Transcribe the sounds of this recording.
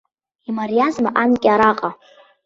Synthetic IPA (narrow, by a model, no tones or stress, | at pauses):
imarijazmaʔankʲʼaɾaqʼa